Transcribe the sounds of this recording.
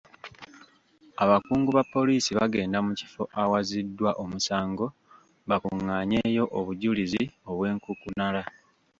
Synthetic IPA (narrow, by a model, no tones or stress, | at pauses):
aβakuːŋɡuβapːo̞liːsiβaɡe̞ːndamuci̥fo̞ʔawazidːwaʔomusaːŋɡo̞ | βakuŋːaːɲe̞ːjo̞ʔoβuɟulizio̞βwe̞ːŋkukunala